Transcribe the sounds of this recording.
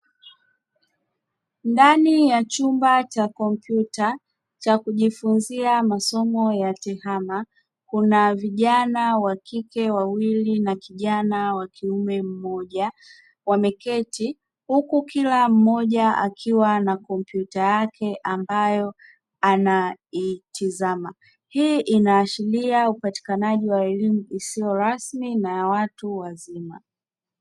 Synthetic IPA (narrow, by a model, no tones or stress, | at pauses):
ndanijat͡ʃumbat͡ʃakɔm̩pjuta | t͡ʃakuʄifunziamasɔmɔjatɛhama | kunaviʄanawakikɛwawilinakiʄanawakʰiumɛm̩mɔʄa | wamɛkɛti | hukukilam̩mɔʄaa̰kʰiwanakɔmpjutajakʰɛʔambajɔ | anaitʰizama | hiːʔinaːʃiliaupati̥kanaʄiwaɛlimuisiɔɾasminajawatuwazima̰